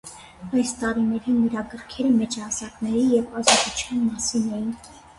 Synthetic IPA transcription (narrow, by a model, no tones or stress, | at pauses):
ɑjst̪ɑɾinɛɾinəɾɑɡəɾkʰɛɾəmɛt͡ʃɑsɑknɛɾijɛvɑzɑt̪ut͡ʃʰjɑnmɑsinɛjin